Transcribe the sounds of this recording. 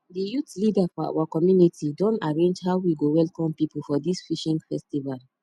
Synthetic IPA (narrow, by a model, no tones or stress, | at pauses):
dijutlidafɔa̰wakɔmjunitʰidɔ̃ntaɹẽnd͡ʒɦawwiɡowɛlkɔ̃mpipulfɔdisfiʃĩŋɡfɛstival